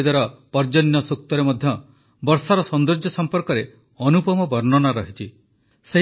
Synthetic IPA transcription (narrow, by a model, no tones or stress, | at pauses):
d̪aɾɔpɔɾd͡ʒɔnjɔsuk̚t̪ɔɾemɔd̪ʱjɔ | bɔɾsaɾɔsɔnd̪uɾd͡ʒɔsɔmpɔɾkɔɾe | ɔnupɔmɔbɔɾnɔnaɾɔɦit͡ʃʰi | se